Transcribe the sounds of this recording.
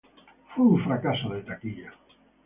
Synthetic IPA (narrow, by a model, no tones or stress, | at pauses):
fujuɱfɾakasoðet̪akiʎa